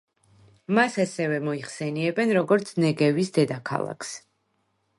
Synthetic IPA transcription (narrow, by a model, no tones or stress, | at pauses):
masasɛvɛmɔiχsɛniɛbɛnɾɔɡɔɾt̪sʰnɛɡɛvisd̪ɛd̪akʰa̰lˠa̰kʰs